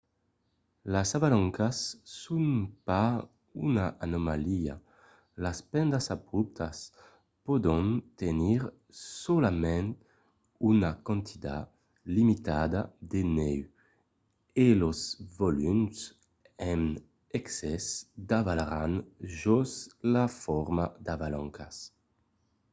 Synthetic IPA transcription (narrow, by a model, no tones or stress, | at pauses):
lasavalɔŋkasːunpa | unaʔanomalia̰ | laspɛnd̪asabɾup̚t̪ʰas | pod̪ɔ̃nt̪eniɾ | solamɛ̃n | unakɔ̃nt̪ʰit̪a̰ | limit̪ad̪ad̪enɛw | elozvolyms | ɛn | ɛksɛsd̪avalaɾanʒɔslafɔɾmad̪avalɔŋkʰas